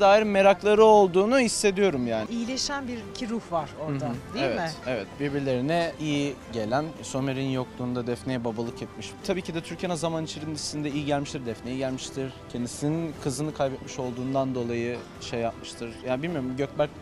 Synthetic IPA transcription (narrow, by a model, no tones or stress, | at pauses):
d̪aːiɾinme̞ɾaklˠaɾɯo̞lˠd̪uːnuhisːe̞d̪ijo̞ɾumjaːnɪijlʲeʃænbiɾcʰiɾuhvaɾ̥oɾd̪ad̪ievɛɪevɛt̪̚biɾbiɾlʲe̞ɾinɛijiɟe̞lʲænso̞meɾinjo̞k̚d̪uːnd̪ad̪ɛfnejɛbabalˠɯkɛt̪̚miʃt̪ʰabiːcid̪ɛt̪ʰyɾcenazamanit͡ʃʰeɾinissind̪ɛijiɟælʲmiʃt̪iɾd̪ɛfnejɛɟælʲmiʃt̪ʰiɾ̥cʰend̪isininkʰɯzɯnɯkʰajbɛt̪miʃo̞lˠd̪uːnd̪and̪o̞lˠajɯ | ʃejːap̚mɯʃt̪ʰɯɾ̥jaːnibilʲmijo̞ɾumɟøcbæɾc